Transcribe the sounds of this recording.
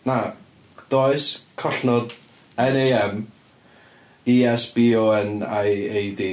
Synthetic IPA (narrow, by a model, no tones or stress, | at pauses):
na | d̥oɨskʰɔɬnɔd | ɛnejɛm | iɛsb̥iːɔənajejdi